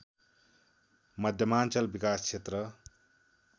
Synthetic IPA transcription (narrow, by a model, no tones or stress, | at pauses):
mʌd̪ʱjʌmaːnt͡sʌlbikaːskʰet̪ɾʌ